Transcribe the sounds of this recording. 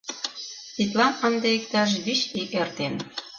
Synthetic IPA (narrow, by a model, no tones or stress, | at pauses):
t̪it̪̬lɑnə̆nd̪eik̚t̪ɑʃβyɕikert̪en